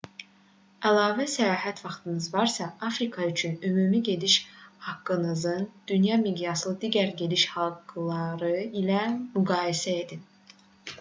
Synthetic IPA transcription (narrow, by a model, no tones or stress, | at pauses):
ælˠɑːvæsæjɑːɦæt̪ʰvɑχt̪ʰɯnɯzvɑɾsɑɑfɾikʰɑyt͡ʃʰynømumiɟe̞d̪iʃhɑkːɯnɯzɯnd̪̥ynjɑmiɡjɑslˠɯd̪iɟæɾɟe̞d̪iʃhɑlˠɡlˠɑɾɯilæmyɡɑːjisæe̞d̪i